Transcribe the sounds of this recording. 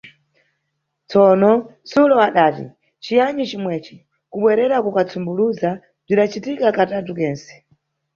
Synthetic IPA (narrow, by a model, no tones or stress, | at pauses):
t͡sɔnɔsulɔaɗaːtḭ | t͡ʃijaɲit͡ʃimwɛt͡ʃi̥ | kuɓwɛɾɛɾakukat͡sʰumbuluza | b͡ʐiɗat͡ʃitikakatatukɛːnsɛ̥